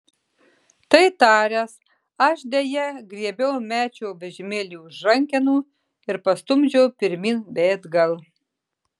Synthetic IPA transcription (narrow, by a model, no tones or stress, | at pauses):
t̪ɐɪt̪ɑːɾʲɛs | ɐʃd̪ʲeːjɛɡɾʲiɛbʲɛʊmʲæːt͡ʃʲɛʊbʲɛʒʲɪmʲeːlʲiːʊʒɾɐŋʲkʲɛnuː | ɪɾpɐst̪ʊmʲd͡ʒʲɛʊpʲɪɾʲmʲiːnbʲeːd̪ɡɐlˠ